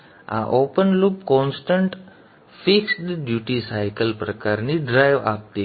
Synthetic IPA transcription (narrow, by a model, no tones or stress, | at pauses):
a̰ʔopənlupkɔnsʈəɳʈ | fiksd̪əɖjuʈisajkəlpɾəkaɾniɖɾajʋap̚t̪i